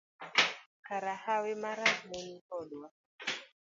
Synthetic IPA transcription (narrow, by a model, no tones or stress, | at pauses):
kaɾahawemaɾamenikɔlwa